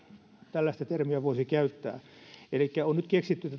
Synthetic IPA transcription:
t̪ælːæst̪æt̪ermiæʋoisikæyt̪ːæ̰ːelikːæonnyt̪keksit̪ːyt̪æ

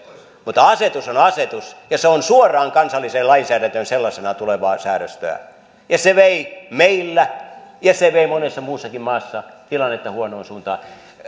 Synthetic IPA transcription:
mut̪ːɑɑset̪usonɑset̪usjɑseonsuorˑɑːŋkɑnsɑlːiseːlɑinsæːɾænt̪ønselːɑsenɑt̪uleʋɑːsæːɾø̰st̪ø̰æ̰ | jɑseʋeimeilːæjɑseʋeimonesːɑmuːsːɑkimmɑːsːɑt̪ilɑnːet̪ːɑhuonoːnsuːnt̪ɑ̰ː

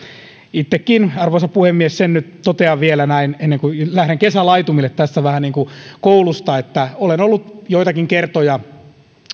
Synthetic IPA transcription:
it̪ːekːinɑrʋoisɑpuhemːiessennyt̪t̪ot̪eɑʋʋielænæinenːeŋkulæhɾeŋkesælɑit̪umilːˑet̪t̪æst̪æʋæhæniːŋkukoulust̪ɑet̪ːæolenolːut̪joit̪ɑkiŋkert̪ojɑ

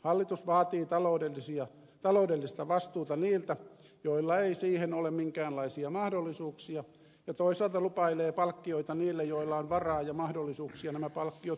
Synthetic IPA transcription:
hɑlːit̪usʋɑːt̪iːt̪ɑloːdelːisiɑ | t̪ɑloudelːist̪ɑʋɑst̪uːt̪ɑniːlt̪æ | joilːɑeisiːhenolemmiŋkæːnlɑisiɑmɑhdolːisuːksiɑ | jɑt̪oisɑˑlt̪ɑlupɑileːpɑlkːioit̪ɑniːlːejoilːˑɑonʋɑrɑːjɑmɑhdolːˑisuːksiɑnæmæpɑlkːiot

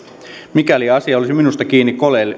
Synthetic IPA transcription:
mikæliɑsiɑolisiminust̪ɑkiːnːikkolel

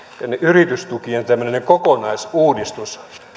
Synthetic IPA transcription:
t̪ænːeʔyrit̪yst̪ukient̪æmːøneneŋkokonɑisuːdist̪us

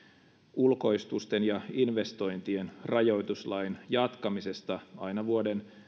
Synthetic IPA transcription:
ulko̞ist̪ust̪enjɑinʋe̞st̪o̞jnt̪ie̞nrɑjo̞jt̪uslɑjnjɑt̪kɑmise̞st̪ɑɑjnɑʋuoden

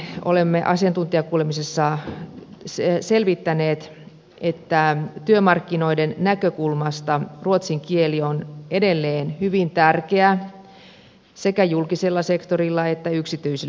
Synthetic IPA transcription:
o̰lemːeʔɑ̰sijɑnt̪unt̪iɑkuːlemisesːɑ | selʋit̪ːæneːt̪ | ʔet̪ːæt̪yømɑrkːino̞idennækøkulmɑst̪ɑruot̪siŋkielione̞delːeːnhyʋint̪ærkeæ | se̞kæjulkiselːɑse̞kt̪orilːɑet̪ːæyksit̪yise

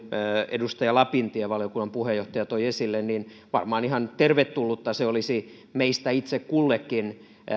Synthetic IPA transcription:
edust̪ɑjɑlɑpint̪ieʋɑljokunːˑɑmpuhejoht̪ɑjɑt̪oiesilːennin | ʋɑrmɑːnihɑnt̪erʋet̪tːulːut̪ːɑseolisi | meist̪æit̪sekkulːekːin

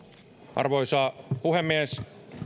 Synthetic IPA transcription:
ʔɑ̰rʋoisɑːpuhemːies

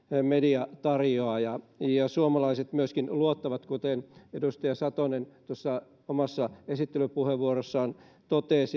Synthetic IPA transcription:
mediɑt̪ɑrjoɑjɑjɑsuomɑlɑiset̪myøskinluot̪ːɑʋɑt̪kut̪enedust̪ɑjɑsɑt̪onent̪uosːɑ | omɑsːɑesit̪ːelypuheʋʋuorosːɑːn | t̪ot̪eːˑs

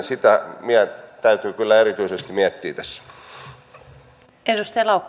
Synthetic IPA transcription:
sit̪æmiæt̪æyt̪yːkylːæerit̪yisest̪imiæt̪ːiːt̪æsː | edust̪elɑukː

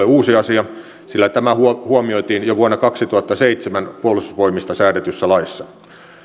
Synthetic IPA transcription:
euːsiɑsiɑ | silːæt̪æmæhuhuɑmioit̪iːnjoʋuɑnːɑkɑksit̪uhɑt̪ːɑseit̪semænpuolusʋoimist̪ɑsæːdet̪ysːælɑisːɑ

